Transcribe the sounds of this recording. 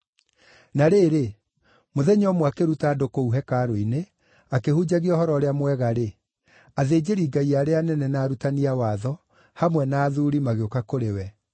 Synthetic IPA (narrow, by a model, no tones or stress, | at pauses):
naɾeːɾe | moðɛɲɔmwakeɾutaːdokouɦɛkaɾoine | akehud͡ʑaɣiɔhɔɾɔɾeamwɛɣaɾe | aðeːd͡ʑeɾiːɡaiaːɾeanɛnɛnaːɾutaniawaðɔ | hamwɛnaːðuɾimaɣeokakoɾewɛ